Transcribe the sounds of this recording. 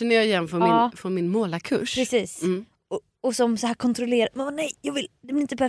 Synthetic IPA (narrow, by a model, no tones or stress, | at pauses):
ɛnːəjɑɪjɛnːfœːɾɪfɾɔnmɪnmoːlakʰɵ̰ʂpɾɛsiːs | ɔ | ɔsɔmsɔhæːɾkʰɔnt̪ɾʊleːɾamɛnbɑːnɛjjɑːɡvɪld̪ɛblɪɾɪnt̪əpʰæɾ